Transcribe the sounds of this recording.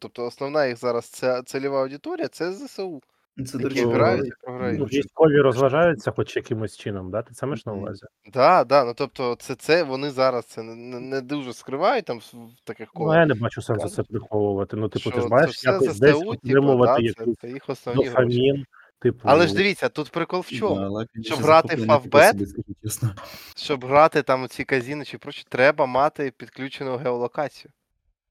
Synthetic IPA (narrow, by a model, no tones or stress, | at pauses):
t̪ɔp̚t̪ɔːsnɔʋnajixzɑɾɐst̪sɛt̪selʲɪʋaɐwdʲɪt̪ɔɾʲijɐt̪sɛzɛseu | ɛɾaʊpɔɦɾanujʲisʲtʲkɔʋʲiɾɔzʋɐʒɑjʊt͡sʲːɐxɔt͡ʃjɐkɪmɔsʲt͡ʃɪnɔmd̪at̪ɪsamɛʃnɐʊʋa̰zʲi | d̪ɑd̪ɑnut̪ɔp̚t̪ɔt̪sɛt̪sɛʋɔnɪzɑɾɐst̪sɛnnɛnɛd̪uwʒɛskɾɪʋɑjʊt̚ʲt̪amt̪ɐkɪxknɔjanɛbat͡ʃʊsamzɐsɛpɾɪxɔʋʊʋɐt̪ɪnut̪ɪpʊt̪ɪmajʃjaɛɐzd̪ɛɛsuɔt̪ɾɪmʊʋɐɪjɐkuɛjixʋɔsnɔʋnɔifɐmʲin | t̪ɪpʊɐlˠɛʒd̪ɪʋʲit͡sʲːɐt̪ut̪pɾɪkɔlˠʋt͡ʃɔmlˠɛʃt͡ʃɔbɦɾɑt̪ɪfɐvbɛt̪ɐesnɐʃt͡ʃɔbɦɾɑt̪ɪt̪ɑmʊt͡sʲikɐzʲinɪt͡ʃɪpɾɔʃʲt͡ʃi̥t̪ɾɛbɐmɑt̪ɪpʲid̪klʲut͡ʃenʊɦeɔlˠɔkɑt͡sʲijʊ